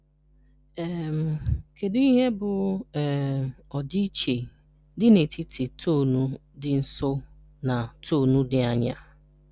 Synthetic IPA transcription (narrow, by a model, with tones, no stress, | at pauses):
ɛ˦˨m̩˨kʰe˨di˦i˦ɦe˦bʊ˨ɛ˨ɔ˨di˦t͡ʃe˨ | dɪ˦ne˨tʰi˦tʰi˨tʰo˦˨nu˦dɪ˦n̩˨so˦ | na˨tʰo˦˨nu˦dɪ˦a˨ɲa̰˦